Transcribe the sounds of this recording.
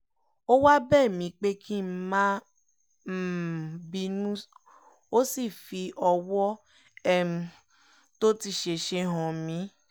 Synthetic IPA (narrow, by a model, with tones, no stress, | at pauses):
o˦wa˦bɛː˦˨mĩ˨˧k͡pe˦kʰi˦m̩˦mã˦ | m̩˦˨bi˧nũ˦ | o˦si˦˨fi˧˦ʔɔ˧wɔ˦ | ɛ˦m̩˨ | to˦ti˧ʃe˧ʃe˧ɦɔ̃˨mĩ˨˦